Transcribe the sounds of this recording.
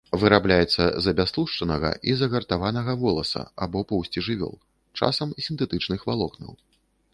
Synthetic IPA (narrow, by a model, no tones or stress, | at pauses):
vɨɾablʲajɛt̪sːɐ̰zɐbʲast̪lˠuʂt͡ʂɐnɐɣɐ̰ʔizɐɣɐrt̪avanɐɣɐvɔlˠɐsɐ̰abɔpɔwsʲt͡sʲiʐɨvʲɔ̰lˠ | t͡ʂa̰sɐmisʲint̪ɛt̪ɨt͡ʂnɨxvalˠɔknɐ̰w